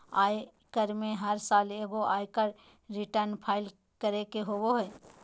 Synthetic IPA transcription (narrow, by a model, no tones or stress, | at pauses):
aːj | kəɾmẽɦəɾsaːleːɡoʔaːjkəɾ | ɾɪʈəɾnpʰaːɪl | kəɾekeɦowoɦɛː